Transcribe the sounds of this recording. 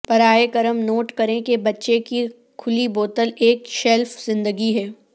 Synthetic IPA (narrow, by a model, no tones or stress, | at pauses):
pɐɾaːekɐɾəmnoːʈkɐɾẽkebɐtːʃeki | kʰʊliboːt̪əleːkʃɛlfzɪ̃nd̪əɡiɦɛː